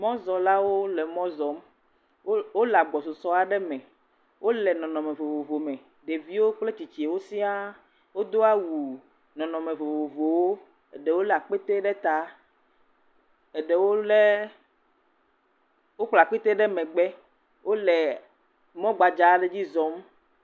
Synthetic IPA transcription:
mɔ̃˦zɔ˨la˦wo˦lɛ˨mɔ̃˦zɔ˨˦m˦ | wo˦lɛ˨a˨ɡ͡bɔ˨so˨sɔ˦a˦ɖɛ˦mɛ̃˨ | wʔo˦lɛ˨nɔ̃˨nɔ̃˨mẽ˨vo˨vo˨vo˨mɛ̃˨ | ɖe˨vi˦wo˦k͡ple˦t͡ɕi˨t͡ɕi˨e˨wo˦si˦a˦ | wo˦d̪o˦a˦wu˨ | nɔ̃˨nɔ̃˨mẽ˨vo˨vo˨vo˨wo˦ | ɛ˨ɖɛ˨wo˦lɛ˨a˨k͡pe˦t̪e˦ɖɛ˦t̪a˦ | e˨ɖɛ˨wo˦lɛ˦ | wo˦k͡pla˨k͡pi˦t̪e˦ɖɛ˦mɛ̃˨ɡ͡bɛ˦ | wʔo˦lɛ˨ | mɔ̃˦ɡ͡ba˨d͡ʒa˨˦ɖe˦d͡ʑi˦zɔ˦m

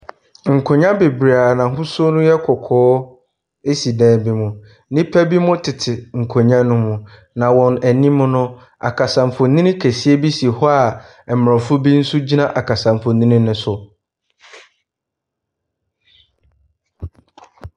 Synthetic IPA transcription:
ŋ̩˨kʰo˨ɲã˦be˨bɾa˨nã˨ɦʊ̃˦sʊ˦nʊ̃˦jɛ˦kʰɔ˨kʰɔː˦ | e˦si˨dɛ̃ː˨˦bi˦mʊ̃˨ | nĩ˦pʰæ˦bi˦mʊ̃˦tʰɪ˨tʰɪ˨ŋ̩˨kʰo˨ɲã˦nʊ̃˦mʊ̃˨ | nã˨wɔ̃˨næ˨nĩ˦mʊ̃˦nʊ̃˦ | a̰˨kʰa˨sã˨mfʊ˨nĩ˦nĩ˦kʰæ˨si˦e˦bi˦si˨hɔ˦a˨ | ɛ˨m˨ɔ̃˨fʊ˦bi˦n̩˦sʊ˦d͡ʑi˦nã˦ʔa˨kʰa˨sã˨m˨fʊ˨nĩ˦nɪ̃˦nʊ̃˦sʊ˨

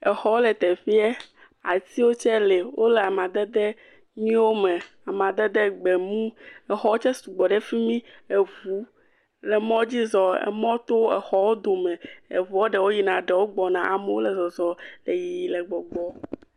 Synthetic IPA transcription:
e˨xɔ˦wo˦le˨t̪e˨fi˦ɛ˦ | a̰˨ti˦wo˦t͡ʃɛ˦le˨wo˦le˨a˨mã˨d̪ɛ˦d̪e˦ | ɲĩ˦wo˦mẽ˨ | a˨mã˨d̪ɛ˦d̪e˦ɡ͡be˨mũ˦e˨xɔ˦wo˦t͡ʃɛ˦su˨ɡ͡bɔ˨ɖe˦fi˦mĩ˦e˨vu˦ | le˨mɔ̃˦d͡ʑi˦zɔ˨ḛ˨mɔ̃˦t̪o˦ḛ˨xɔ˦wo˦d̪o˨mẽ˨e˨vu˨o˦ɖe˨wo˦ji˨nã˨ɖe˨wo˦ɡ͡bɔ˨nã˨ʔa˨me˦wo˦le˨zɔ˨zɔ˨le˨ji˨i˨le˨ɡ͡bɔ˨ɡ͡bɔ˦

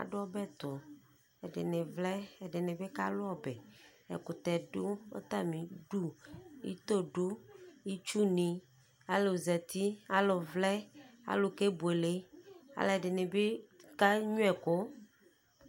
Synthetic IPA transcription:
a̰˨ɖo˦ɔ˦bɛ˦t̪ʊ˨ | ɛ˨ɖḛ˨ne˨vlɛ˦ɛ˨ɖe˨ne˨be˦ka̰˦lo˦ɔ˦bɛ˨ɛ̰˨ku˨t̪ɛ˨ɖo˦o̰˦t̪a˦mĩ˨ɖu˦ḭ˦t̪o˦ɖu˦i˦t͡ʃu˦nĩ˨ | a˦lo˨zɛ˨t̪i˦a˦lo˨vlɛ˦a̰˦lo˨ke˦bu˨e˨le˦a̰˦lɛ˨ɖe˨ne˨be˦ka˦ɲũ˦ɛ˨ko˦

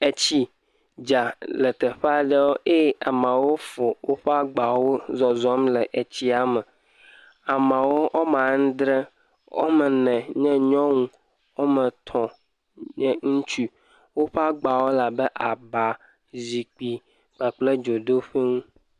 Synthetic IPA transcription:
e˨t͡ɕi˦ | d͡ʒa˨lə˨t̪ə˨ɸa˨ɖe˦wo˦e˦a˨mã˨wo˦fo˨wo˦ɸɛ˦a˦ɡ͡ba˨wo˦zɔ˨zɔ˦mlɛ˨ʔe˨t͡ɕi˦a˨mə˨ | a˨mã˨wo˦ʔo˦m˦ã˨ŋ̩˦d̪ɾe˦ | wo̰˦mə˨nɛ̃˨ɲɛ̃˦ɲɔ̃˦ŋũ˦ | wo˦mə̃˨t̪ʰɔ̃˨ | ɲɛ˦ŋũ˦t͡ʃu˦ | wo˦ɸa˦ɡ͡ba˨wo˦la˨bɛ˦ʔa˨ba˨ | zi˨k͡pi˨ | k͡pa˨k͡ple˦d͡ʒo˨d̪o˦ɸe˦ŋũ˦

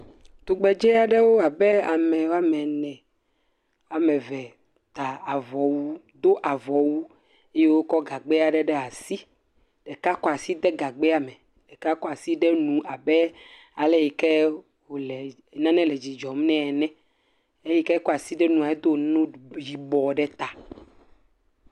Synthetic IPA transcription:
t̪o˨ɡ͡bɛ˨d͡ʒɛ˦a˨ɖɛ˦wo˦a˨bɛ˦a˨mɛ˨wa˦mɛ˨nɛ̃˨ | a˨mɛ̃˨vɛ˨ | t̪a˨a˨vɔ˨wu˦ | d̪o˦ʔa˨vɔ˨wu˦ | e˦je˦wo˦kɔ˦ɡa˨ɡ͡bɛ˦a˨ɖɛ˦ɖɛ˦a˨si˦ | ɖ̥ɛ˨ka˦kɔ˦a˨si˦d̪ɛ˦ɡa˨ɡ͡bɛ˦a˨mɛ˨ | ɖɛ˨ka˦kɔ˦a˨si˦ɖɛ˦nũ˨ʔa˨bɛ˦ | a˨lɛ˦ji˨kɛ˦ | wo˨lɛ˨ | nã˦nɛ̃˦lɛ˨d͡ʑi˨d͡ʒɔ˨m˦nɛ̃˦ɛ˨nɛ̃˦ | e˦ji˦kɛ˦kɔ˦a˨si˦ɖɛ˦nũ˨a˨e˦d̪o˦˨nõ˦ji˨bɔ˨ɖɛ˦t̪a˨

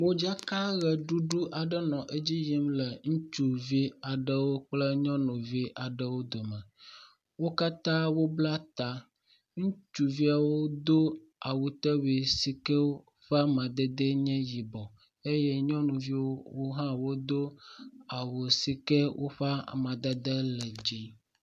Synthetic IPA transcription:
mõ˦d͡ʒa˦ka˦ɣɛ˨ɖu˦ɖu˦ʔa˨ɖə˦nɔ̃˨ʔe˦d͡ʑi˦ji˦mlə˨ŋũ˦t͡ʃu˨vi˦a˨ɖə˨wo˦k͡plə˦ɲɔ̃˦nũ˨vi˦ʔa˨ɖə˨wo˦d̪o˨mə̃˨ | wo˦ka˦t̪ã˦wo˦bla˦t̪a˦ | ŋũ˦t͡ʃu˨vi˦a˨wo˦d̪o˦ | a˨wo˨t̪ɛ˦wi˨si˦kɛ˦wo˦ | ɸa˦mã˨d̪ɛ˦d̪e˦ɲɛ̃˦ji˨bɔ˨ | e˦jɛ˦ɲɔ̃˦nũ˨vi˦wo˦wo˦ɦã˦wo˦d̪o˦a˨wo˨si˦kɛ˦wʔo̰˦ɸa̰˦˨mã˨d̪ɛ˦d̪ə˦lə˨d͡ʒi˦

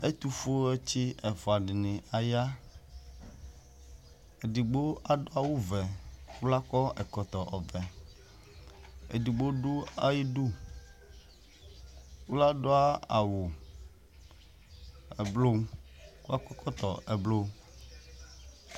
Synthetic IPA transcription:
e˦t̪u˨fo˦e˦t͡ɕi˦ɛ˨fɔ˨a˨ɖɪ˨nɪ̃˨a˨ja˦ | e˨ɖi˨ɡ͡bo˦a˦ɖo˦a˦wu˦vɛ˨wu˦la˦kɔ˦ɛ˨kɔ˨t̪ɔ˨ʔɔ˨vɛ˨ | ḛ˨di˨ɡ͡bo˦ɖu˦a˦ji˦ɖu˦ | wu˦la˦ɖo˦a˦a˨wo˨ | ɛ˨blo˦u˦la˦kɔ˦kʰɔ˦t̪ɔ̰˨ɛ˨blo˦

